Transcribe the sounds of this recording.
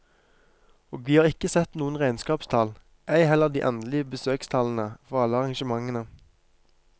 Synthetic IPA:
oːɡʋiːhɑːʁɪkəsɛt̪nuːənʁæɪnskɑːpst̪ʰɑl | ʔæɪɦɛlːəʁd̪ḭːʔɛnd̪lɪəbəsøːkst̪ʰɑln̩əfɔʁɑlːəɑʁɑŋʃəmɑŋːənə

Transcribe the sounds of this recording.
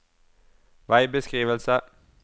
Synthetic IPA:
ʋɑ̈ɪbesɡ̥ʁḭːʋəl̩sɐ

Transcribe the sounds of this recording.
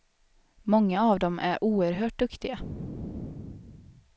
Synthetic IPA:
mɔŋːaɑvd̪ɔmʔæ̰ɾʔuːəɾɦøːʈ̚d̪ɵkt̪ɪɡa

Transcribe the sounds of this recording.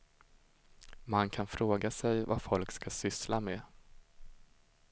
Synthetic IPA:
mankʰanfɾoːɡasɛjvafɔlkskasʏslame

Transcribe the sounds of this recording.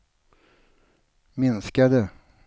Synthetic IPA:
mɪnskad̪ə

